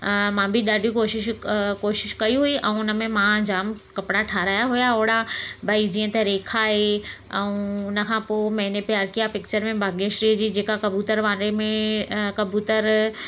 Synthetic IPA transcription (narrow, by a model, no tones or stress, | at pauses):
mãbʱɪɗaːɖʱijũkoːʃɪʃkoːʃɪʃkɐiɦuiʔɛ̰̃ũʊnə̆mẽmãd͡ʑaːmkɐpɽ̃aʈʰaːɾaːjaɦujaoːɽabɐid͡ʑiːə̃t̪eɾeːkʰaɦeɛ̃ũʊnə̆kʰãpoːmɐ̃ɦɪnepjaːɾkijapɪk̚t͡ɕəɾmẽbʱaːɡeʃɾiːd͡ʑiːd͡ʑeːkakɐbuːt̪əɾʋãːɳɖemẽkɐbuːt̪əɾ